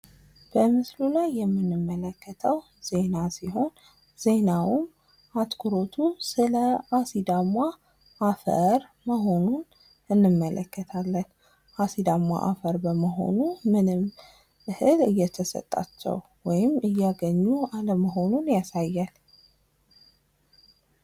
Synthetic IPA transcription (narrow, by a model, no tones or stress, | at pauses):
b̥əmɨslulajːɛmːɨnːɨmːələkːət̪ʰəw | z̥e̞nasiɦo̞n | z̥e̞nawum | at̪kʰuɾo̞t̪ʰusɨləasid̪ama | ʔːfə̰ɾ | məɦo̞nun | ɨnːɨmːəlʔə̰kʰːət̪ʰalːən | ʔasid̪amwa̰ʔa̰fəɾbəməɦo̞̰numɨnɨm | ɨhɨlɨjːɛt̪ʰəsə̰t̪ʼːa̰t͡ʃːɛ̰w | wɔjɪmɨjːaɡəɲːualəməɦo̞nunjasajːal